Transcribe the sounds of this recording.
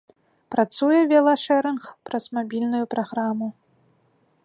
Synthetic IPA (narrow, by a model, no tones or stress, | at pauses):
pɾat̪sujɛvʲɛlˠaʂɛɾɛnxpɾɐsmabʲilʲnujupɾaɣɾamu